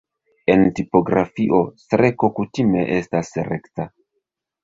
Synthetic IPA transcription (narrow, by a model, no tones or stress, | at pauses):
e̞ntipo̞ɡɾa̰fiʔo̞stɾe̞ko̞kutime̞ʔe̞stasɾe̞kta